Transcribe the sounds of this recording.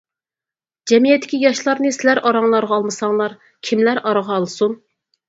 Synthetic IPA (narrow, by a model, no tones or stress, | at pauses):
d͡ʒɛmijɛt̪ʰːɪ̥kʲijɑʃlˠɑɾnɨsɪlæɾɑɾɑŋlˠɑɾʁɑɑːlˠmɨsɑŋlˠɑɾ | kʲʰimlæɾʔɑɾɑʁɑːlˠsun